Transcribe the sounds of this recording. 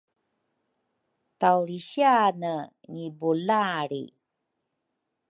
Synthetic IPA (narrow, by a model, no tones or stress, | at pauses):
tawɾiɕianə | ŋibulaɾḭ